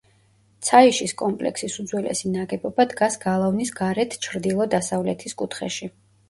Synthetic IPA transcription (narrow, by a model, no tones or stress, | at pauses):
t̪sʰaiʃiskʼɔmpʼlɛ̰ksisud̪zwilʔɛ̰sinaɡɛbɔbad̪ɡasɡalˠavnisɡaɾɛt̪ʰt͡ʃʰɾd̪ilˠɔd̪asavlɛt̪ʰiskʼut̪ʰχɛʃi